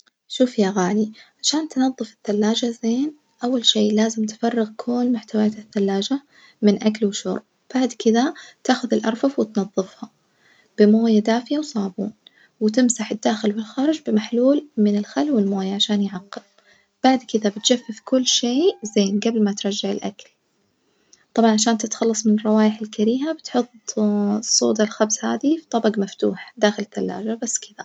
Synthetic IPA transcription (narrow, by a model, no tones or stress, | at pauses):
ʃuːfjaɣaːliʕaʃaːnt̪nɑðˤːɨfɪθːalːaːd͡ʒazeːn | ʔawːalʃeːlaːzɪmt̪fɑrˤːɪɣkʰoːlmʊħt̪awaaːt̪ɪθːalːaːd͡ʒa | mɪnʔaklwɪʃo̰ːɾˤ | b̥aʕd̪kɪðat̪aːxʊðɪlʔɑɾˤfɑfwɪt̪nɑðˤːɨfhɑ | b̥ɪmoːjad̪aːfɪjawsˤɑːbṵːn | wɪt̪ɪmsaħɪd̪ːaːxɪlwɪlxaːɾˤɪd͡ʒbɪmaħluːlmɪnɪlxalwɪlmoːjaʕaʃaːnjʕɑqːɪl | b̥aʕd̪kɪðabɪt̪d͡ʒafːɪfkʊlːʃeːzeːnɡablmat̪ɾˤɑd͡ʒːaʕɪ̰lʔa̰kal | t̪ˤɑbʕɑnʕaʃaːnt̪ɪt̪xɑlːɑsˤmɪnɪrˤːɑwaːjɪħɪlkaɾiːɦabɪt̪ħʊt̪ˤːsˤːo̰ːd̪ɑlxabsha̰ːðifit̪ˤɑbɑɡmaft̪ṵːħd̪aːxɪlɪt̪ːalːa̰ːd͡ʒabasːkɪða